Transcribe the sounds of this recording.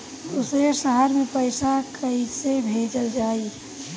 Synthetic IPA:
ʊsesəɦaɾmẽpəɪsakəisebʱeːd͡ʒəld͡ʒaːi

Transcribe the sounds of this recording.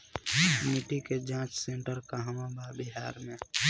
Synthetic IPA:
miʈiked͡ʒãːt͡ʃsẽɳʈəɾkaɦəmabʱabiɦaːɾmẽ

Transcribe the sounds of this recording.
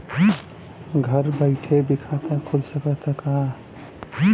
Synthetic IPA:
ɡʱəɾbəɪʈʰebikʰat̪akʰod͡ʒsəkət̪əka

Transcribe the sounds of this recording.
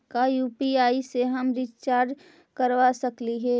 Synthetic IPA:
kajuːpiaːiseɦɐmɾɪt͡ʃt͡ʃaːɾd͡ʒ | kəɾʋasɐkliɦɛː

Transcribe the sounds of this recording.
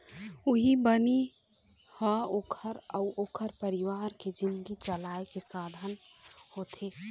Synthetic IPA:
uɦibəni | həokʰəɾəʊʔoːkʰəɾpəɾiʋaɾked͡ʒind̪ɡit͡ʃəlaekesad̪ʱən | hot̪ʰe

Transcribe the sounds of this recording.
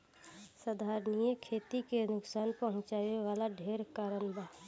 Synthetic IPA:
səd̪ʱaːɾnijəkʰeːt̪ikenʊksaːnpəɦʊ̃t͡ʃaːjeʋaːlaɖʱeːɾkaːɾənba

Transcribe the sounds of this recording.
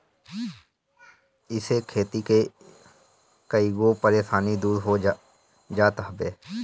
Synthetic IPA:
ɪsekʰeːt̪ike | kəiɡopəɾeːʃaːnid̪uːɾɦo | d͡ʒaːt̪ɦbeː

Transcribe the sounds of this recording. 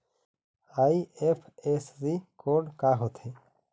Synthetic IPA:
ajiepʰesɾikoːɾɖkaɦot̪ʰe

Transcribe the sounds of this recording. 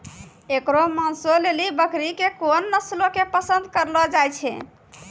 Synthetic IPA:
ekɾomansolelibəkɾikekonːəslokepəsənd̪kəɾlɔd͡ʒajt͡ʃʰɛ̰

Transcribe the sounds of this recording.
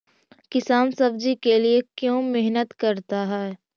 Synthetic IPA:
kɪsaːnsɐbd͡ʒikeliekjõːmɪɦnət̪kɐɾt̪aɦɛː

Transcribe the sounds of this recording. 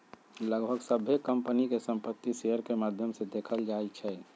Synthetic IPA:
ləɡbʱəɡsəbʱekəmpənikesə̃mpət̪ːiseəɾkemaːd̪ʱjəmsed̪eːkʰəld͡ʒaːit͡ʃʰɛ

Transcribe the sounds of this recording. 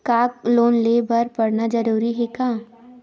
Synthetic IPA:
kaːk̚loːnleːbɐɾpɐɽnad͡ʒɐɾuːɾiɦɛkãː

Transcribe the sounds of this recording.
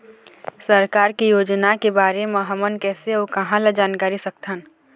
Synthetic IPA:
səɾkaːɾkijoːd͡ʒnakebaːɾemẽɦɐmənkɛːseokɐɦãlɐd͡ʒaːnkaːɾisɐkt̪ən

